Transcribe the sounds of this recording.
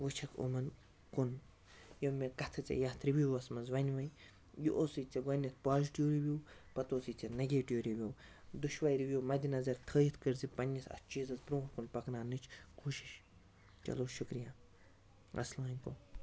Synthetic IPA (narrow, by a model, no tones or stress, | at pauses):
ʋɨt͡ʃʰɐkʰṵmɐn | kun | jomʲekɐt̪ʰɐt͡sʲɐ̰jaːt̪ʰɾibuʋɐsmɐzʋɐnʲʋɐj | juʔoːsit͡sɐɡɐnʲːɐt̪̚ʰpaːziʈiwɾiʋʲuːpɐt̪oːsit͡sʲɐnɐɡʲeːʈiwɾiʋʲjoː | d̪uʃʋajɾiʋʲjoːmɐd̪ʲinɐzɐɾt̪ʰəːjit̪ʰkɨɾzipɐnʲːɐsɐ̰t̪t͡ʃiːzɐzbɾõːɾkunpɐknaːnɨt͡ʃʰkʰuʃi̥ʃ | t͡ʃɐ̰loːʃukɾijaː | ɐ̰slʋaːnʲko